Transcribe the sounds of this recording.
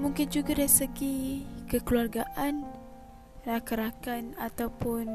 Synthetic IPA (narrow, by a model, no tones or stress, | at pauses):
mũŋkɪnd͡ʒuɡadaisəɡikəkluarɡaʔan | rakaɾakanat̪awpʊn